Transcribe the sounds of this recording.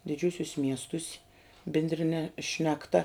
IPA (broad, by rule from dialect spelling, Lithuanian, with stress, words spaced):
dʲɪˈd͡ʒʲuːsʲʊsʲ ˈmʲiɛstʊsʲ bʲɪnʲdʲrʲɪˈnʲɛ ʃʲnʲɛkˈtɐ